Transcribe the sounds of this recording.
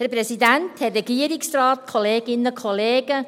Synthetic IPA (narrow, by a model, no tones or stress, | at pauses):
hɛɾpɾɛsidænthɛrːɛɡ̥iəɾiksrɑːtkʰoleːɡ̥ɪnːəkʰoleːɡ̥ə